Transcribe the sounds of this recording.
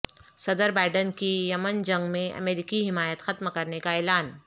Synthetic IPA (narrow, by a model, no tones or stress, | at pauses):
sɐd̪əɾbaːɪɖənkijɐmənd͡ʒɐ̃ŋɡmẽɐ̰meːɾɪkiɦɪmaːjət̪xɐt̪mkɐɾnekaɛːlaːn